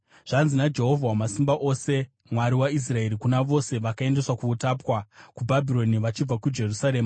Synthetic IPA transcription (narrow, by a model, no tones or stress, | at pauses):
ʐ̥anzinad͡ʒe̞ɦo̞vʱawamasimbaʔo̞ːse̞ | mwaɾiwais̬rae̞ɾikunaʋo̞se̞ʋakae̞nde̞swakuːtaːpwakubʱabʱiɾo̞niʋat͡ʃib͡vakud͡ʒe̞rusaɾeːma